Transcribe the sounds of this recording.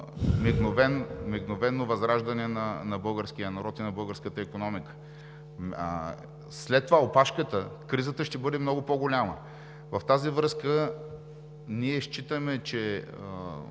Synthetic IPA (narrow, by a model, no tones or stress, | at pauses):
miɡnovɛnmiɡnovɛnːovɐzɾaʒd̪ɐnɛnɐnɐbɤlˠɡəɾskijənɐɾɔt̪inɐbɤlˠɡəɾskət̪əikonɔmikə̥ | slɛt̪ːovaopaʃkət̪əkɾizət̪əʃt̪ɛbɤd̪ɛmnɔɡʊpoɡʊlʲamə̰ | vɐft̪azivɾɤskə | niɛʃt͡ʃit̪əmɛt͡ʃɛ | ə